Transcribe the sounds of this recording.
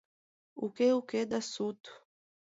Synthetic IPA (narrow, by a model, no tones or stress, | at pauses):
ukeuked̪ɐsut̪u̥